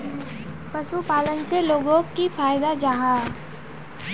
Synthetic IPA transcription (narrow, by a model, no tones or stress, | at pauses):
pəsupaːlənseloːɡõkifaːjd̪ad͡ʒaːɦa